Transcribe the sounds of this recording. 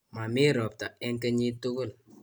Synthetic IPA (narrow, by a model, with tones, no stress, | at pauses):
ma˨mi˦˨ɾɔ˨p̚ta˨ɛ˦ŋkɛ˦ɲi˦tu˦kʊ˦˨l